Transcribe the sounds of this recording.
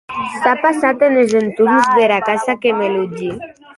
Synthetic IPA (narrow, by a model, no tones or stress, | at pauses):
t̪apasat̪enezent̪umzðeɾakasakemelud͡ʒi